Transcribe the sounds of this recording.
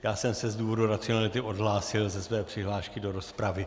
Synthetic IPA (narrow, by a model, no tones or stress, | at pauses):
jaːsɛmsɛzduːvo̞duɾat͡sɪonalɪt̪ɪʔo̞dɦlaːsɪlzɛsvɛːpr̥ɪɦlaːʃkɪdo̞ɾo̞spɾavɪ